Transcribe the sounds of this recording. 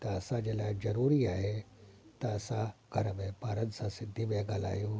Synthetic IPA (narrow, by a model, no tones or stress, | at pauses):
t̪ɐɐsãd͡ʒeːlaːɪzɐɾuːɾiaːɦe | t̪ɐɐsãɡʱɐɾəmẽpaːɾənsãsɪd̪ʱːiʋeɡaːla̰ːjoː